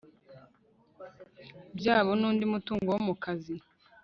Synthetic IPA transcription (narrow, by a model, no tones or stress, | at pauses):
bjaːβonuːndimutuːŋɡowomukazi